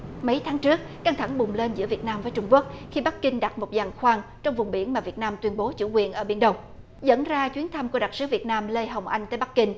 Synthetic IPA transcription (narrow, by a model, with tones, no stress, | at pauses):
mə˨˦jt̪ʰaː˨˦ŋt͡ɕɨ˦˥ək̚ka˧ŋt̪ʰa˧˩ŋɓʊ˨˩ŋ͡mle˧nzɨ̰˧˥əvi˨˩ət̚naː˧mvəː˨˦jt͡ɕʊ˧ŋ͡mku˦˥ək̚xi˧ɓa˦˥k̚kï˧ŋ̟ɗa˨˩t̚mo˨˩t̚zaː˨˩ŋxwaː˧ŋt͡ɕɔ˧wŋ͡mvʊ˨˩ŋ͡mɓḭ˧˩ənmaː˨˩vi˨˩ət̚naː˧mt̪wi˧ənɓo˨˦t͡ɕṵ˧˩kwḭ˨˩ənʔəː˧˩ɓi˧˩ənɗə˧wŋ͡m | zə̰˧˥nzaː˧t͡ɕwi˨˦ənt̪ʰa˧mku˧˩əɗa˨˩t̚sɨ˨˦vi˨˩ət̚naː˧mle˧ɦə˨˩wŋ͡mʔa˧jŋ̟t̪əː˧˦jɓa˦˥k̚kːï˧ŋ̟